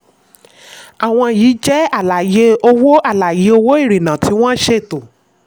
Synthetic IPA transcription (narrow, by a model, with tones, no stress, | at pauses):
a˨w̃ɔ̃˧jiː˨˦d͡ʒɛ˦a˦˨la˨je˨˦o˧wo˦a˦˨la˨je˨˦o˧wo˦i˦˨ɾi˨nã˨ti˨˦w̃ɔ̃˦ʃe˦˨to˨